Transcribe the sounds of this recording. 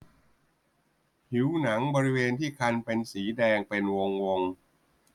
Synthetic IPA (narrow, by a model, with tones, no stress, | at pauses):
hi˨˩˦wna˩˦ŋbɔː˧ɾi˦˥weː˧nt̪ʰiː˥˩kʰa˧npe˧nsiː˩˦dɛː˧ŋpe˧nwo˧ŋwo˧ŋ